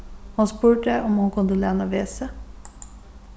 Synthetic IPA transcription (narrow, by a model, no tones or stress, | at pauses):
hɑnspʉːʈəʔɔmhɑnkʰʊnd̪əlɛːnɑʋeːsə